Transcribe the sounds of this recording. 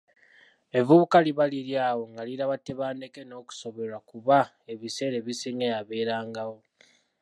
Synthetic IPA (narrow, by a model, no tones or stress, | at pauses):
e̞vuβukaliβaliɾjaːwo̞ŋɡaliɾaβatːeβaːnde̞keno̞ːku̥so̞βe̞lakuβa | e̞βise̞ːɾe̞βisiŋeaβe̞ːɾaːŋɡawo